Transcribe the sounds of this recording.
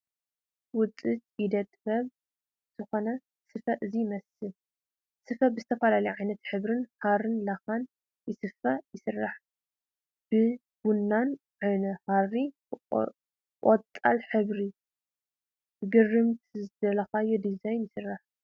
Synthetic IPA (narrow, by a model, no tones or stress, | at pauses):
wʊt͡sʼɨt̪ʼid̪ɐt̪ʼbɐβ | z̥ɨxo̞nɐ | sɨfɐʔɨzimɐsɨl | sɨfɐbɨzɨt̪ʰɐfɐlalɐjʕajnɐt̪ħɨβɾɨnharɨnlaxan | jɪsɨfajɪsɨrːaħ | b̥ɨ | ɡ̥unːan | ʕanɐharːi | kʼot̪ʼːalħɨβɾi | bɨɡɨrːɨmt̪ʰzɨd̪ɐlɐxajod̪izajnjɪsɨrːaħ